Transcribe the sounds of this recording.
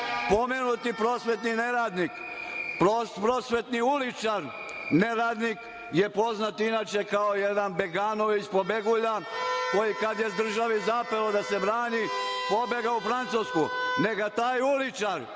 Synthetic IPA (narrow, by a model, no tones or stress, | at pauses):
po̞menut̪ipɾoːsʋe̞t̪nineɾaːd̪nik | pɾopɾoːsʋe̞t̪niulit͡ʃaɾ | neɾaːd̪nik | je̞po̞znat̪inaːt͡ʃekaojed̪anbeɡaːno̞ʋit͡ɕpo̞beɡuʎako̞jikad̪jezd̪r̩ʒaʋizapelod̪ase̞bɾaːɲipo̞beɡaufɾant̪suːskune̞ɡat̪aːjulit͡ʃaɾ